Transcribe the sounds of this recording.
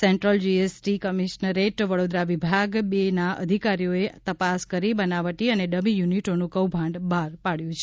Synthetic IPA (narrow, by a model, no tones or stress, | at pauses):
seɳʈɾəld͡ʒiesʈikəmiʃnəɾeʈʋəɽod̪ɾaʋibʱaɡbenaə̰d̪ʱikaɾijoet̪əpaskəɾibənaʋəʈiəneɖəbijuniʈonũkəwbʱãɳɖbʱaɾpaɭjũt͡ʃʰe